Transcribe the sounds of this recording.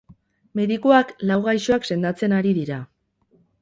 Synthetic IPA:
me̞ðikuaklawɣajsoakse̞nd̪at͡se̞naɾiðiɾa

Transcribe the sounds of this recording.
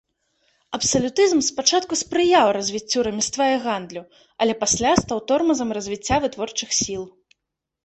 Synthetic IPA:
ɐpsɐlʲut̪ɨzmspat͡ʂat̪̚kuspɾɨjawrɐzʲvʲit͡sʲːuɾɐmʲist̪vajɛɣand̪lʲu | ɐlʲɛpasʲlʲast̪awt̪ɔrmɐzɐmrɐzʲvʲit͡sʲːavɨt̪vɔrt͡ʂɨxsʲilˠ

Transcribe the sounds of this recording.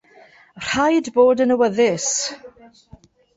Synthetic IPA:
r̥ajdboːdənəwəðɪs

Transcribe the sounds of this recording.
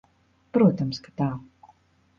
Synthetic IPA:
pɾuɔt̪ɐmskḁt̪aː

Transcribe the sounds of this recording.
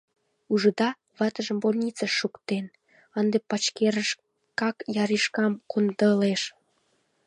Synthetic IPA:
uʒəd̪ɑ | βɑt̪əʒəmbolʲnʲit͡sɑʃːukt̪en | ɑnd̪epɑt͡ɕkeɾəʃ | kɑkjɑɾiʃkɑmkond̪əleʃ

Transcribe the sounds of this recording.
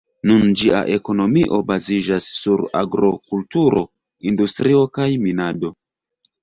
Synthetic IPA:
nund͡ʒiʔa̰ʔe̞ko̞no̞miʔo̞bazid͡ʒasːuɾa̰ɡɾo̞kultuɾo̞ | industɾio̞kajminado̞

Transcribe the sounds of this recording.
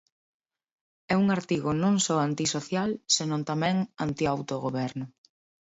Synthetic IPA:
ɛuŋaɾt̪iɣonõŋsɔant̪isoθjalsenõnt̪amɛ̃ŋant̪iawt̪oɣoβɛɾnʊ

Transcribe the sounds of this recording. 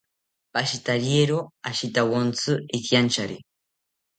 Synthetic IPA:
paʃit̪aɾjeɾoaʃit̪awont͡sɨikjant͡ʃaɾḭ

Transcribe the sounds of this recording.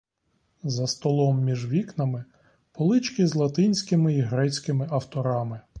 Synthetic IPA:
zɐst̪ɔlˠɔmːʲiʒʋʲiknɐmɪ | pɔlˠɪt͡ʃkɪzlˠɐt̪ɪnʲsʲkɪmɪiɦɾɛt͡sʲkɪmɪɐwt̪ɔɾɑmɪ

